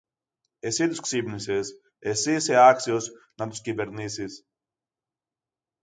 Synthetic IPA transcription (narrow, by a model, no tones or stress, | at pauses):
esit̪usksibnises | esiseaksiosnɐt̪u̥skʲibeɾnisis